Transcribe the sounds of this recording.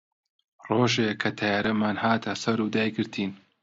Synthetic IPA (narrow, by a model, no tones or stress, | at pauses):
roːʒekʰːɐt̪ʰɐjaːɾɐmaːnhaːt̪ʰɐsɐɾud̪aːjɡɨɾt̪ʰiːn